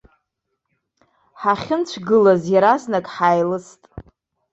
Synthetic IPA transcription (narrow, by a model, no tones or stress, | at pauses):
ħaχʲɪnt͡ɕʷʰɡɨlazjaɾasnakʼħajlɨstʼ